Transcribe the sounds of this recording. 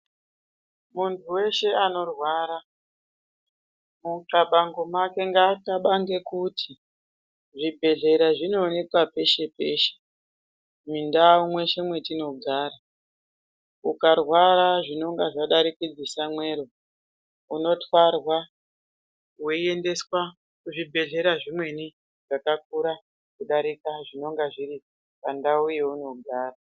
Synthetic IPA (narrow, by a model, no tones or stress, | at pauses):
muntʰuwe̞ʃe̞ano̞rwaːɾa | mukaɓaŋɡomake̞ŋɡakaɓaŋɡekutʰi | ʐibʱe̞ɮe̞ɾaʐino̞ːne̞kwape̞ʃe̞pe̞ːʃe̥ | mindaumwe̞ʃe̞mwe̞tino̞ɡʱaːɾa | ukarwaɾaʐino̞ŋɡaʐaɗaɾikid͡zisamwe̞ːɾo̞ | uno̞twarwa | weiendeswa | uʐibʱe̞ɮe̞ɾaʐimwe̞ni | ʐ̥akak̚uɾa | kuɗaɾikaʐino̞ŋɡaʐiɾi | pandaujeuno̞ɡʱaːra